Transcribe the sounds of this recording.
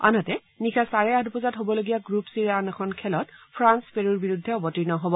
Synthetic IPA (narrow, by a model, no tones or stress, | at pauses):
a̰nɔtɛ | nikʰasaɹɛadpɔzatɦobɔloɡijaɡɹupsiɹanɛkʰɔnkʰɛlɔtpʰɹanspeɹuɹbiɹudʱːɛɔbɔtinɔɦobɔ